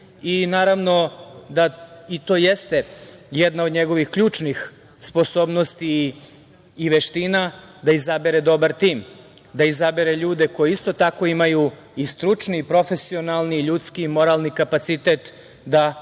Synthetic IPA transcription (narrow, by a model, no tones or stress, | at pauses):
inaːɾaʋno̞d̪ait̪o̞ːjest̪ejed̪naod̪ɲeɡo̞ʋixkʎuːt͡ʃnix | spo̞so̞ːbno̞st̪iː | ʋeʃt̪ina | d̪aizabeɾed̪o̞baɾt̪iːm | d̪aizabeɾeʎuːd̪e̞ko̞jeist̪o̞t̪akoimaju | ist̪ɾut͡ʃnipɾo̞fe̞sio̞nalˠniʎuːt̪skiːmo̞ɾalˠnikapat̪sit̪et̪ | d̪a